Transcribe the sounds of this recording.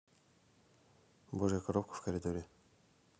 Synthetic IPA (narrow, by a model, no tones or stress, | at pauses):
boʐɨjakɐɾop̚kə̥fkɐɾʲɪd̪oɾʲɪ